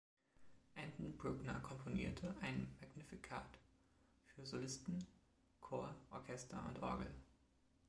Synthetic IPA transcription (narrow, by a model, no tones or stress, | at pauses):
ʔɛntn̩bʁʊɡnɐkʰɔmpʰonḭːɐtʰəʔaɪnmaɡnɪfikʰaːt | fyːɐzolɪstn̩ | kʰoːɐʔɔɐkʰɛstʰɐʊ̰ntʔɔ̰ɐɡl̩